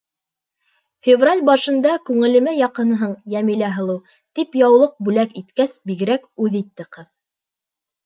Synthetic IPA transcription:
fʲɪvralʲbɑʃɤ̆nd̪ɑkʉŋɘ̆lɘ̆mæjɑqɤ̆nɦɤɴjæmilæɦɤ̆lˠɤw | t̪ipjɑwlˠɤq̚bʉlækit̪kæsbiɡɘ̆ɾækʉðit̪ːɘqɤ

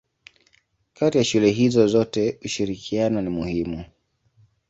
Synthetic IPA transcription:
kʰatijaʃulɛɦizɔzɔtɛuʃiɾikʰianɔnimuhimu

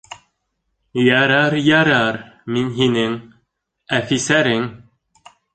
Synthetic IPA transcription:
jæɾæɾjæɾæɾminɦinɘŋ | æfisæɾɘŋ

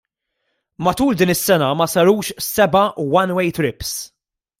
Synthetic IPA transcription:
mɐt̪uːld̪iːnɪsːɛnɐmɐsɐɾuːʃsɛbɐwɐnwɛjt̪ɾɪps

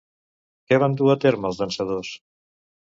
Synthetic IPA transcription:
kɛβ̞and̪uət̪eɾməlˠzðənsəðos

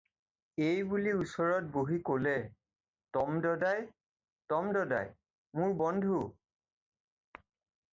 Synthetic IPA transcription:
ejbuliusɔɹɔt̚boɦikolɛ | tɔmdɔdaj | tɔmdɔda̰j | mʊɹbɔndʱu

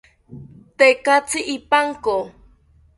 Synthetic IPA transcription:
t̪ekat͡siʔipaŋko

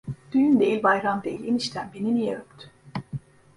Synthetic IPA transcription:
d̪̥yjynd̪eilʲbajɾamd̪eilʲiniʃt̪ʰænbeninijeøpt̪ʰy̥

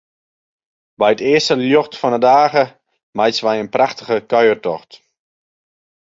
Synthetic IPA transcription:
bɛjətɪəstəljoxtfɔnədaːɣə | majtsʋɛjənpraxtəɣəkœɥərtɔxt

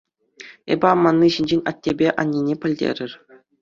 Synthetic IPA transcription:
ḛbʲɘ̆ɑmːɑnːɯɕinʲd͡ʑenʲɑtʲːebʲeʔɑ̰nʲːinʲepʲɘ̆lʲdʲḛɾʲɘ̆rʲ

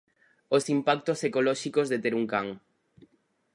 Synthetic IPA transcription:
osimpak̚t̪osekolɔʃikozðet̪eɾuŋkaŋ

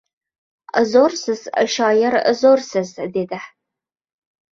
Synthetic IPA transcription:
əzoːrsɨzəʃɑːjɐrə̰zoːrsɨzdeːdɐħ

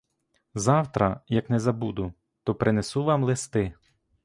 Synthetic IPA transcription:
zɑwt̪ɾɐjɐknɛzɐbud̪ʊ | t̪ɔpɾʔɪnesuʋɑmlˠɪst̪ɪ

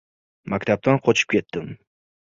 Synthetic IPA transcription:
makʲt̪ʰap̚t̪anqʰot͡ʃʰɪ̥p̚kʲe̞t̪ːɪm

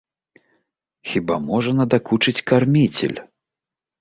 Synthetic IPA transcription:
xʲibamɔʐɐnɐd̪akut͡ʂɨt͡sʲkarmʲit͡sʲɛ̰lʲ

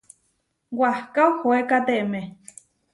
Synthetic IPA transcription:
wahkawhoekat̪eʔmẽ

